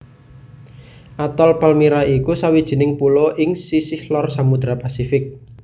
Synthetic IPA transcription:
ʔat̪ɔlpalmiɾaikusawid̥ʒ̥i̤nɪŋpuloʔɪŋsisɪhlɔrsamud̪̥ɾapasifɪk̚

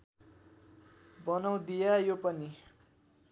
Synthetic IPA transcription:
bʌnʌw̃d̪ijajopʌni

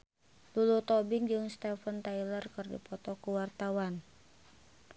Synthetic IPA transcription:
lulut̪ɔbɪŋd͡ʒɨŋst̪ɛfənt̪ailərkɨrdḭpɔt̪ɔkuwart̪awan

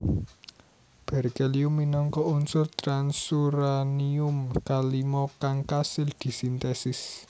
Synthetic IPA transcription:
b̥ɛ̤rkɛliʊmːinɔŋkɔʔunsʊrt̪ɾansuɾaniʊmkalimɔkaŋkasɪld̪̥i̤sint̪ɛsɪs

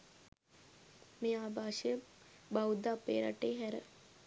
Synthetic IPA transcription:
meːaːbʱaːʃəjəbawud̪apḛːɾa̰ʈeːɦæɾə̰

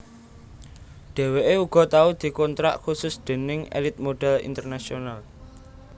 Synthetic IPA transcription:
ɖ̥e̤weʔeuɡ̥ɔ̤t̪aud̪̥i̤kɔnt̪ɾa̰ʔxusʊsd̪̥e̤nɪŋḛlɪt̪̚moɖ̥ɛ̤lḭnt̪ərnasional

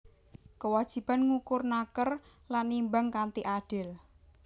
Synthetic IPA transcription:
kəwad̥ʒ̥i̤b̥anŋukʊrnakər | lanːimbaŋkant̪iʔaɖ̥ɪl

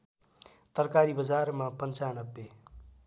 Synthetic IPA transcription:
t̪ʌrkaɾibʌd͡zarmapʌnt͡sanʌbːe

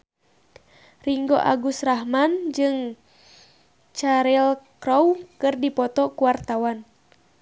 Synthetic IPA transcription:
riŋɡoʔa̰ɡusraɦmand͡ʒɨŋ | t͡ʃaɾilkɾɔwkɨrdipɔt̪ɔkuwart̪awan

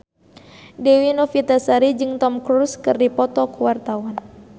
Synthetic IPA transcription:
dɛwinɔfit̪asaɾid͡ʒɨŋt̪ɔmkɾuskɨrdipɔt̪ɔkuwart̪awan

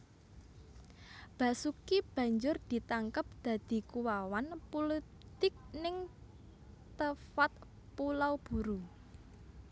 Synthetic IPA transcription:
b̥a̤sukib̥ä̤ɲd͡ʒʊrd̪̥i̤t̪aŋkəp̚d̪̥ä̤d̪̥i̤kuwawanpulə | t̪ɪk̚nɪŋ | t̪əfat̪̚ | pulawb̥ṳɾu

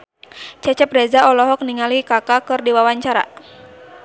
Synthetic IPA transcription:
t͡ʃɛt͡ʃɛp̚dɛzaɔlɔɦɔk̚niŋalikakakɨrdiwawaɲt͡ʃaɾa̰

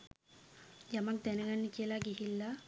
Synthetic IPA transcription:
jɐmɐk̚d̪ɛnɐɡɐnːikijɐlaːɡiɦilːa

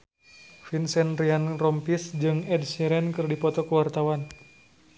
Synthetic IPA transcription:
finsɛnrianrɔmpisd͡ʒɨŋɛdsiɾɛnkɨrdipɔt̪ɔkəwart̪awan

